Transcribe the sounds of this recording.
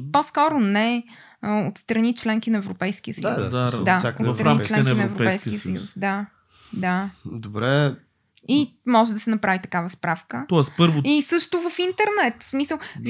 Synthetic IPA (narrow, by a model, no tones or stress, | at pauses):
poskɔɾʊnɛ | ot̪st̪ɾɐnit͡ʃlɛŋkinɐɛvɾopɛjskiəsəusad̪aaot̪t̪ɾɐnit͡ʃlɛ̃knɛinɐɛɛvɾopɛjskiəsəjṵsd̪a | d̪ad̪obɾɛ | imɔʒɛd̪ɐsɛnɐpɾavit̪ɐkavəspɾafkət̪oaspɤɾvoisɤʃt̪ʊvɐfint̪ɛɾnɛt̪smisəlˠ